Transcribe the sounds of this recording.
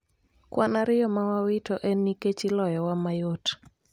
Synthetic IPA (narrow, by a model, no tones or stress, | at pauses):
kwanaɾɪjɔmawawɪtoʔɛnːiket͡ʃilɔjɔwamajot